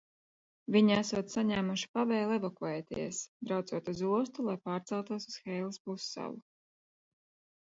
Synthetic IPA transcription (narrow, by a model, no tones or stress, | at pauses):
viɲæsuɔt̪saɲæːmuʃi̥pavɛjlˠɛvakuɛjt̪ḭɛsbɾawt̪suɔt̪uzuɔst̪ulˠajpaːɾt̪sɛlˠt̪uɔsu̥sxɛjlˠispusːa̰lˠu